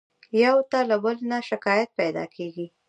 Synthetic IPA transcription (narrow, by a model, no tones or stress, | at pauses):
jawt̪alabəlnaʃɪkɑjat̪̚pajd̪ɑ̰kʰeɡi